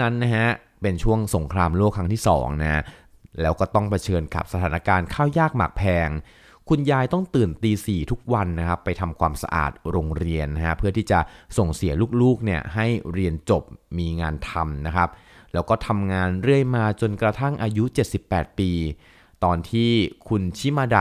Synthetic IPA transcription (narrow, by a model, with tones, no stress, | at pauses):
na˦˥nːa˦˥ka˦˥ | pe˧nt͡ɕʰu˥˩əŋso˩˦ŋkʰɾaː˧mloː˥˩kʰːɾa˦˥ŋt̪ʰiː˥˩sɔ̰ː˩˦ŋna˦˥ | lɛː˦˥wkɔː˥˩t̪ɔ˥˩ŋpʰa˧t͡ɕʰɤː˧nka̰˨˩p̚sa˧t̪ʰaː˩˦na˦˥kaː˧nkʰaː˥˩wjaː˥˩k̚ma̰ː˨˩k̚pʰɛː˧ŋ | kʰu˧njaː˧jt̪ɔ˥˩ŋt̪ɯː˨˩nt̪iː˧siː˨˩t̪ʰu˦˥k̚wa˧nːa˦˥kʰa˦˥pːa˧jt̪ʰa˧mkʰwaː˧msa̰˧ʔa̰ː˨˩t̪̚ɾoː˧ŋɾi˧ənːa˦˥ka˦˥pʰɯ˥˩t̪ʰiː˥˩t͡ɕa˨˩so˨˩ŋsi˨˩˦əluː˥˩k̚luː˥˩k̚ni˥˩ɐɦa˥˩jɾi˧ənt͡ɕo˨˩p̚miː˧ŋaː˧nt̪ʰa˧mna˦˥kʰa˦˥p̚ | lɛː˦˥wkɔː˥˩t̪ʰa˧mŋaː˧nɾɯ˥˩əjmaː˧t͡ɕo˧nkɾa˧t̪ʰa˥˩ŋʔaː˧ju˦˥t͡ɕe˨˩t̪̚si˨˩pːɛː˨˩t̪̚piː˧ | t̪ɔː˧nt̪ʰiː˥˩kʰu˧nt͡ɕʰi˦˥maː˧˩da˨˩